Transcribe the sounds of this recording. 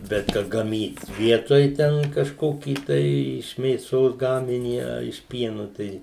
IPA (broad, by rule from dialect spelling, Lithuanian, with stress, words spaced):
ˈbʲɛt kɐ ɡɐˈmʲiːt ˈʋʲiɛtoːj ˈtʲɛn kɐʃˈkoːkʲiː tɐɪ ɪʃ mʲeːˈsoːs ˈɡɑːmʲɪnʲiː ɐ ɪʃ ˈpʲiɛnʊ ˈtɐɪ